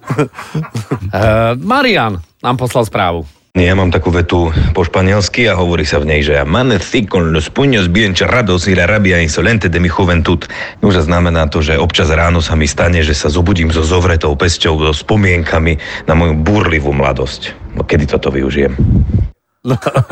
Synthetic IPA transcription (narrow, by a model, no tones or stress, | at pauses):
maɾiannaːmpɔslalˠspɾaːʋu | ɲijamaːmt̪akuːʋɛt̪upɔʃpaɲɪɛlskiaɦɔʋɔɾiːsavɲɛjʒɛjamanɛθikɔnnəspuɲɔzbiɛnt͡ʃɛɾad̪ɔsniɾaɾabiainsɔlɛnt̪ɛd̪ɛmixuʋɛnt̪ut̪ | nuʒaznamɛnaːt̪ɔʒɛɔpt͡ʃazɾaːnɔsamist̪aɲɛʒɛsazɔbuɟiːmzɔzɔʋɾɛt̪ɔʊpɛscɔʊzɔspɔmɪɛŋkʰaminamɔjubuɾliʋumla̰d̪ɔscɔ̰kɛd̪it̪ɔt̪ɔʋḭṵʒijɛ̰m | n